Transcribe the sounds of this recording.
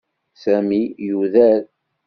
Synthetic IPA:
sæmijuðæɾ

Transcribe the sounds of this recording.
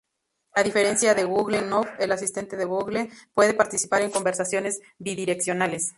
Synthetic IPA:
aðife̞ɾe̞nsjaðe̞ɣuɣlenofelasist̪e̞nt̪e̞ðe̞ɣuɣlepwe̞ðe̞paɾt̪isi̥paɾe̞ŋko̞mbe̞ɾsasjo̞ne̞z | biðiɾe̞ksjo̞nales

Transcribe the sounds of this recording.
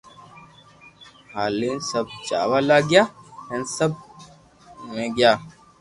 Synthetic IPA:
haːliːnsɐb̚t͡ʃa̰ːwaːlaːɡjaːhensɐb̚ | mẽɡjaː

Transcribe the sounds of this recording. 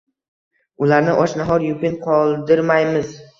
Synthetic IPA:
ʊlaɾnɪʔɒʃnaɦɒɾjʊpʲɪnqʰɒlˠd̪ɪɾmajmɪz

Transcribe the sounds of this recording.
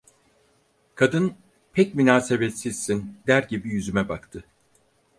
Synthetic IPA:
kʰad̪ɯn | pʰɛcmynaːse̞bet̪siz̥sind̪æɾɟibijyzymɛbakt̪ʰɯ

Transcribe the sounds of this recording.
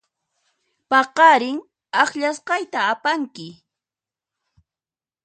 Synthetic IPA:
pɑqɑɾɪŋ | ɑχʎas̬qɑjt̪aːpaŋkɪ

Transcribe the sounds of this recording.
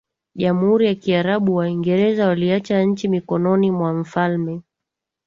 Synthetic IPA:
ʄamuhuɾijakiaɾaɓuwaiŋɡɛɾɛzawaliat͡ʃaɲ̩t͡ʃimikɔnɔnimwam̩falmɛ

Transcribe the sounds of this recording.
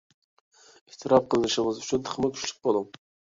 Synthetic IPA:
iht̪ʰɨɾɑp̚qʰəlˠənɨʃɪŋəzyt͡ʃʰynt̪ʰə̥χʰəmʊkʲʰy̥ʃly̥k̚ʲbolˠu

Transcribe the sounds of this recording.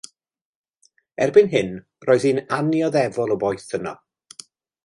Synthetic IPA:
ɛrbɪnɦɪn | rɔːɨðiːnanjɔðɛvɔlˠɔbɔjθənɔ̰

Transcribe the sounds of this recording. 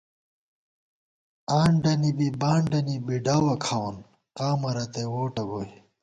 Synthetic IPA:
aːɳɖɐnibibaːɳɖɐnibiɖaːwɐkʰawɐn | qaːmɐɾɐt̪ewoːʈɐɡoi

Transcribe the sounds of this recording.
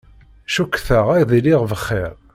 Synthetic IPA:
ʃukːθəʁæjðiliʁvəχːeɾˤ

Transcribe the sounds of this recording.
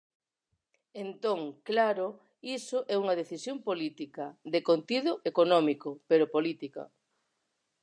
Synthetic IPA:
ent̪oŋklaɾʊ | isʊʔɛuŋɐð̞eθisjompolit̪ikɐðekont̪iðʊʔekonɔmikopeɾopolit̪ikɐ̰

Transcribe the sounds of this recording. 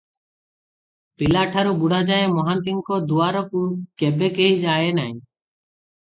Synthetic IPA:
pilaːʈʰaɾubuɽad͡ʒaẽmɔɦãnt̪̬iŋkɔd̪uaːɾɔkukɛbekeɦid͡ʒaːenaĩ

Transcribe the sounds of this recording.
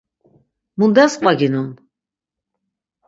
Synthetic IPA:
mund̪asmaɡinun

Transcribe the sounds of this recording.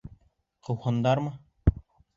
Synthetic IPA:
qʰɤ̆whɤ̆nd̪ɑɾmɤ

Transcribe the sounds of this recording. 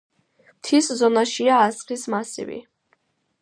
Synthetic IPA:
mt̪ʰiszɔnaʃiaːsχismasḭvḭ

